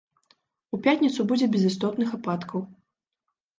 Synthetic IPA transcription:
upʲat̪ʲnʲit̪subud͡zʲɛbʲɛzɨst̪ɔt̪nɨxapat̪kʰɐw

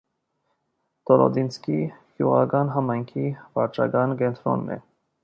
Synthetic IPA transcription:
t̪ɔɾɔ̰d̪inskiɡ̥juʁɑɡɑnɦɑmɑjŋkʰivɑɾt͡ʃʰɑɡɑnkɛnt̪ʰɾɔ̰nːɛ̰

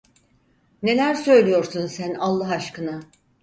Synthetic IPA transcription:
ne̞lʲæɾsø̞jlʲijo̞ɾsunsænalˠːaɦaʃkɯna

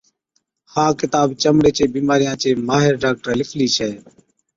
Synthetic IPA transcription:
hãːkɪt̪aːbt͡ʃəmɽeːt͡ʃeːbiːmaːɾɪjãːt͡ʃeːmaːɦɪɾɖaːk̚ʈəɾlɪfʰliːt͡ʃʰɛː

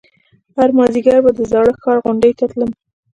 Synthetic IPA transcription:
haɾmɑziɡaɾbad̪əzɑɽəxɑɾɣʊɳɖəjt̪at̪ləm

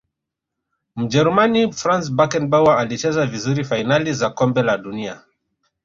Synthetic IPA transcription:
m̩d͡ʒɛɾumanifɾans̬bakɛnbawaalit͡ʃɛzavizuɾifajinalizakɔmbɛlaɗunia

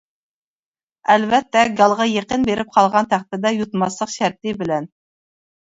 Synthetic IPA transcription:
ælvɛt̪ːɛɡɑlˠʁɑjeqənbeɾɪp̚qʰɑlˠʁɑnt̪ʰæχt̪ɪd̪ɛjut̪mɑslˠəqʃæɾt̪ɪbɪlɛn

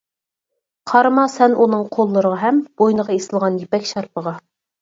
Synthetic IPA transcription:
qʰɑɾmɑsɛnʔunɨŋqʰolˠːəɾəʁɑɦɛmb̥ojnəʁɑesɨlˠʁɑnjipɛkʲʃɑɾpʰəʁɑ

